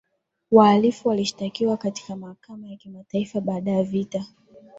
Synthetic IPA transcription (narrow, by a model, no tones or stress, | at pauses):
waːlifuwaliʃi̥takiwakati̥kamahakamajakimataifaɓaːɗajavita